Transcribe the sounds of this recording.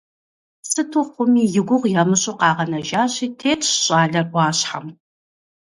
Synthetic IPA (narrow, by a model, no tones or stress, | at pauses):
sɨtʰʊχʷʊmiːjɪɡʷʊʁʷjamɨɕʼʊqɑːʁɐnɐʒaːʑiːtʰeːtʰɕɕʼaːɮɐrʷɑːɕħa̰m